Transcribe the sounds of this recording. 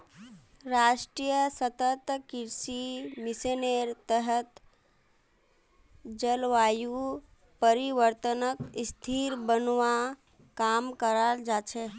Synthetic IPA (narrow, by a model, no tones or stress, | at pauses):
ɾaʃʈɾijəsət̪ət̪kiɾsimɪseneɾt̪əɦət̪ | d͡ʒəlʋaːju | pəɾiʋəɾt̪ənəkst̪ʰiɾbənʋa | kamkəɾald͡ʒat͡ʃʰe